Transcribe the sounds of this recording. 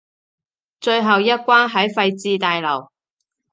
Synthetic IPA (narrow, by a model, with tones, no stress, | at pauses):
t͡ʃɵ˧ɥɦɐ˨wjɐ˥t̚kʷaː˥nɦɐ˨˥jfɐ˧jt͡siː˧t̪aː˨jlɐ˨˩w